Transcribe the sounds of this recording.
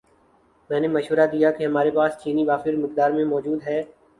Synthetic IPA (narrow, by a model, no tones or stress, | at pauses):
mɛ̃ːneməʃʋəɾad̪ijakeɦɐmaːɾepaːst͡ʃiːnibaːfɪɾmɪk̚d̪aːɾmẽmɔːd͡ʒuːd̪ɦɛː